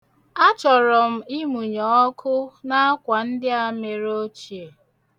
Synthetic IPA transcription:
a˦t͡ʃɔ˨ɾɔ˨m̩˦i˦mu˨ɲɔ˨ɔ˦kʰʊ˦na˦a˦kʷa˨n̩˦dɪ˦a˨me˨ɾo˦t͡ʃi˨e˨

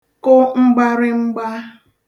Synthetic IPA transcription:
kʊ˦ŋ͡m̩˦ɡ͡ba˦ɾɪ˦ŋ͡m̩˦ɡ͡ba˦

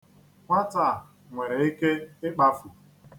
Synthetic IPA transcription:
ŋʷa˦ta˦˨ | ŋʷe˨ɾe˨i˦ke˦ɪ˦k͡pa˦fʊ˨

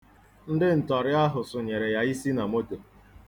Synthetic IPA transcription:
n̩˦dɪ˦n̩˨tɔ˨ɾɪ˦a˦ɦʊ˨sʊ˨ɲe˨ɾe˨ja˦i˦si˦na˨mo˦to˨

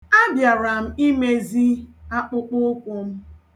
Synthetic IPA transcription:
a˦bja˨ɾa˨m̩˦i˦me˦zi˦a˦k͡pʊ˦k͡pʊ˦kʷʊ˨m̩˦

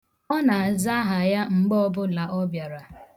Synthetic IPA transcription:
ɔ˦na˨a˨za˦ɦa˨ja˦ŋ͡m̩˨ɡ͡bɔ˦bʊ˦la˨ʔɔ˦bja˨ɾa˨

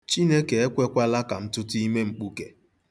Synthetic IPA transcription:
t͡ʃi˦ne˦ke˨e˦kʷe˦kʷa˦la˦ka˨m̩˦tʊ˦ti˦me˦ŋ͡m̩˨k͡pu˦ke˨

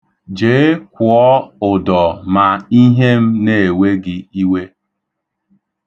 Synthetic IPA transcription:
d͡ʒe˨˦e˦kʷʊ˨ɔ˦ʊ˨dɔ˨ma˨i˦ɦe˦m̩˦ne˨e˨we˦ɡɪ˦i˦we˦

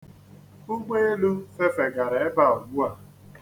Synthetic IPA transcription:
u˦ɡ͡be˦e˦lu˦fe˦fe˨ɡa˨ɾe˨e˦ba˦˨o˨ɡ͡bu˦a˦˨

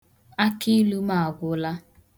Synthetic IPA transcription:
a˦ki˦lu˦ma˨a˨ɡʷʊ˨la˦

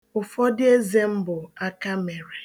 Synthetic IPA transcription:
ʊ˨fɔ˦dɪ˦e˦ze˦m̩˦bʊ˨a˦ka˦me˨ɾe˨

